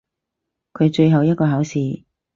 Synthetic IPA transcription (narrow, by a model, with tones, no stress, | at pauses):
kʰɵ˨˧ɥt͡ʃɵ˧ɥɦɐ˨wjɐ˥t̚kɔː˧ɦɐː˨˥wsiː˨